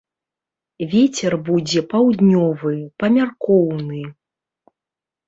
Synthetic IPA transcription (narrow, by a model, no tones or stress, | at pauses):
vʲet͡sʲɛrbud͡zʲɛpawd̪nʲɔvɨpɐmʲarkɔwnɨ